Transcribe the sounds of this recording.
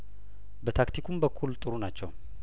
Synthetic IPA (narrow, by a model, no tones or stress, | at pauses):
bət̪ʰakt̪ʰikʰumbəkʰːult̪ʼɨɾunat͡ʃːɛw